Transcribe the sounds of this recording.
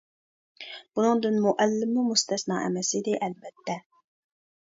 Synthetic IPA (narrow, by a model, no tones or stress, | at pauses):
b̥unɨŋd̪ɨnmuʔɛlːɪmumust̪ɛsnɑʔɛmɛsɪd̪ɪʔɛlbɛt̪ʰːɛ